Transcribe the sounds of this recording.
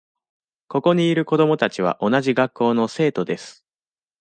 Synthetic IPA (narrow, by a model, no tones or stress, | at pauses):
ko̞ko̞ɲ̟iːɾɯ̟ko̞d̪o̞mo̞t̪at͡ɕiβ̞a̰ʔo̞naʑiɡakʰːo̞ːno̞se̞ːt̪o̞d̪e̞sɨ̥